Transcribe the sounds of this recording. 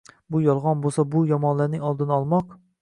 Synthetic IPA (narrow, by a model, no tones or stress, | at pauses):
bʊjɒlˠʁɑnbosabʊjɒmɒnlaɾnɪŋɒlˠd̪ɪnɒlˠmɒq